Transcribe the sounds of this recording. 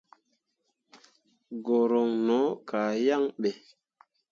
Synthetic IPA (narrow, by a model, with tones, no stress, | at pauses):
ɡo˨ɾo˨ŋnɔ˨˦ka˨ja˦ŋɓe˨